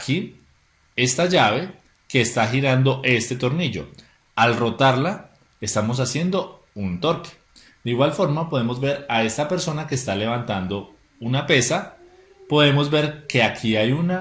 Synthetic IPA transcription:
akʰi | e̞st̪aʝaβe̞ | ke̞ːst̪axiɾand̪o̞ʔe̞st̪e̞t̪o̞ɾniʝo̞̰ | alro̞t̪aɾla | est̪amo̞s̬asje̞nd̪o̞ | unt̪o̞ɾke̥ | d̪̥eiɣwalfo̞ɾmapo̞ð̞e̞mo̞zbe̞ɾae̞st̪ape̞ɾso̞nake̞ːst̪ale̞β̞ant̪and̪o̞ | unape̞sa | po̞ðe̞mo̞zbe̞ɾke̞akʰiajuna

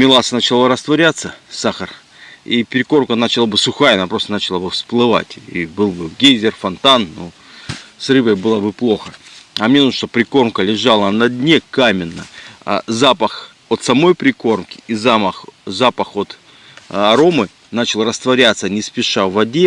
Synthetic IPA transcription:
mʲɪlˠasnat͡ɕɪlˠaɾəst̪vɐɾʲat̪səsaxər | ipʲɪɾʲɪko̞rmkənat͡ɕɪlˠabɨsʊxajəɐnapɾo̞st̪ənat͡ɕɪlˠabɨfsplˠɨva̰tʲḭbɨlˠbɨɡʲezʲɪrfɐnt̪anːo | srɨbəjbɨlˠəbɨplˠo̞xəɐmnʲenunəʂt̪opɾʲɪko̞rmkəlʲɪʐalˠənɐdʲnʲekamʲɪnːə̰a̰zapəx | o̞t̪sɐmo̞jpɾʲɪko̞rmkʲɪ̥izaməxzapəxo̞t̪ | ɐɾo̞mɨ | nat͡ɕɪlˠrəst̪vɐɾʲat̪sənʲɪspʲɪʂavɐdʲe

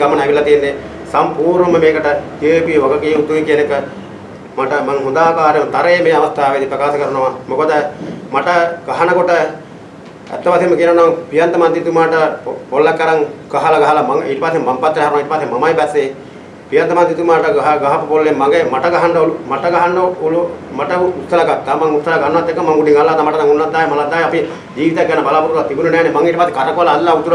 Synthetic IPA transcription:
amɐnaʋilɐt̪ijenːe | sampuːɾnəməmeːkəʈət̪ieʋpiʋɐɡɐkeːut̪ːuikienekə | maʈəmaŋɦund̪aːkaːɾemɐt̪aɾɐjemeːɐʋɐst̪aːʋed̪ipɾɐkaːsɐkəɾɐnoʋamokod̪əmaʈəɡ̥aɦɐnɐkoʈə | æ̰t̪ːɐpasemːɐkinɐnoʋpijɐnt̪ɐmant̪it̪umaːʈəpolːakːɐɾaŋɡ̥aɦalaɡaɦalamaŋḛʈɐpaːsemampat̪ːɾɦaɾnaŋiʈɐpaːsemamajbɛsːe | pijɐnt̪ɐmant̪̬it̪umaːʈɐɡaɦaɡaɦapubolːemaŋɡemaʈɐɡaɦaɳɖɐolumaʈɐɡaɦaɳɖoulomaʈɐut̪sɐlakak̪̚t̪ːamaŋut̪sɐlakanːʋat̪ːekːəmaŋɡuɖiŋalːaːd̪amaʈɐnaŋunːatd̪ːaːɦemalad̪aːɦeapi | d͡ʒiːʋit̪akːaːnɐbalaːpuɾuɾlat̪ibunɐnɛːnemaŋiʈɐpase̥kaɾɐkoʋalaːllaut̪uɾ

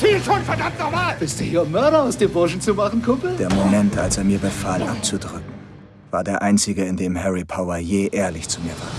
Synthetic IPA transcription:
fiːltʰoːnfɛɐdamtnɔmaːlb̥ɪstd̥uːhiːɐmœɐɾɐaʊsd̥eːmbʊɐʃn̩t͡sumaχn̩kʰʊmpl̩d̥eːɐmomɛntʔalseːɐmiːɐbəfaːlʔap̚t͡sudʁʏk̚ŋ̩ | v̥aːɐdeːɐʔaɪnt͡sɪɡəɪndeːmhɛʁipʰaʊɐjeːʔeːɐlɪçt͡sumiːɐva̰ːɐ

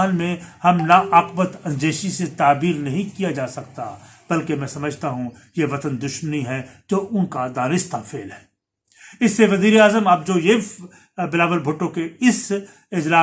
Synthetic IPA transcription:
nmẽhɐmnaʔaqbət̪ɐ̃nd͡ʒeːʃiset̪aːbiːɾnɐɦĩkijad͡ʒaːsɐkt̪ab̥ɐlkemɛ̃ːsɐməd͡ʒʱt̪aɦũ | jeʋɐt̪ənd̪ʊʃməniɦɛd͡ʒoːʔʊnkad̪aːnɪst̪ʰafʰeːlɦɛː | ɪsːeʋɐziːɾeaːzəmɐb̚d͡ʒoːje | bɪlaːʋəlbʱʊʈːõkeɪs | ɪd͡ʒlaː

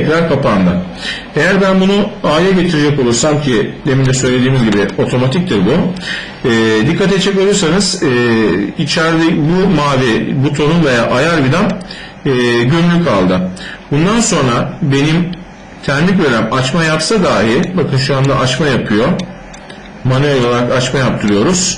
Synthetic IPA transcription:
ɛcɾaɾkʰapʰand̪ɯ | e̞jæɾbænbunuaːjɛɟe̞t̪ʰiɾid͡ʒɛko̞lˠuɾsamcʰid̪emimd̪ɛsø̞jlʲe̞d̪iːmizɟibio̞t̪ʰo̞mat̪ʰic̚d̪iɾbu | ɛːd̪ikʰːat̪et̪t͡ʃːɛkolˠuɾsanɯz̥ | it͡ʃʰæɾd̪ɛbumaːvibut̪ʰo̞nunvejaːʔajaɾbid̪anː | ɟømylʲykʰalˠd̪ɯbund̪anso̞nɾabe̞nim | t̪ʰæɾmic̬veɾæmat͡ʃmajapsad̪aːɦibakʰɯnʃuand̪a̰ʔat͡ʃmajapʰɯjo̞ | manɯolˠolˠaɾakat͡ʃmajap̚t̪ʰɯɾɯjo̞ɾuz̥

